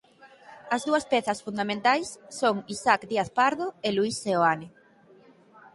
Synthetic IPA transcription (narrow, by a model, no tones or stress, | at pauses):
ɐzðuɐspɛθɐsfund̪amẽnt̪ajsːoŋisakd̪iaθpaɾðoeluiseoanɪ